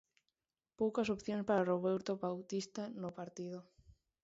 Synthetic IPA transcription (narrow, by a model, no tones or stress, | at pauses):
powkasopθjonspaɾaroβewɾt̪oβawt̪ist̪anopaɾt̪ið̞o